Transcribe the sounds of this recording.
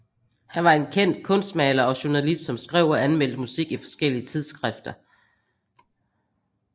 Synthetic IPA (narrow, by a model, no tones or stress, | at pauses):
hænʋɑ̈e̝nkʰen̰d̥̚kʰɔ̽nsd̥mɛːlɐɒ̽ɕuɐnælisd̥sɒ̽msɡ̥ʁɛ̰ʊ̰ɒænmel̰d̥əmusiɡ̥ifɒ̥̽sɡ̥el̰iət͡sʰið̞ˠsɡ̥ʁafd̥ɐ